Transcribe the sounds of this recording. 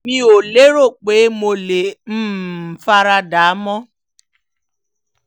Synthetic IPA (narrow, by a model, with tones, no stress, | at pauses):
mi˦o˨le˦ɾo˦˨k͡pe˨e˦mo˨le˨m̩˦m̩˨fa˦ɾa˦da˨a˦mɔ˦